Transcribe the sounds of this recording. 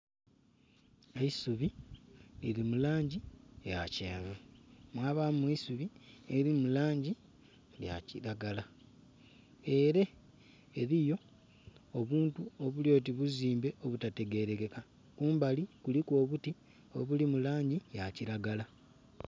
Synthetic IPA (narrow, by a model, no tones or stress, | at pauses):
eisuβilḭɾimulaːɲɟieja̰cḛːvemwaːβameisuβieɾimulaːɲɟi | lja̰ciɾaɡala | eɾe̞ː | ɾijo̞ | oβuːntuoβuljo̞ːtiβuziːmbe̞ʔoβutate̞ɡe̞ɾekeka | kuːmbalikulikwo̞ːβuti | o̞̰βulimulaːɲɟijaciɾaɡala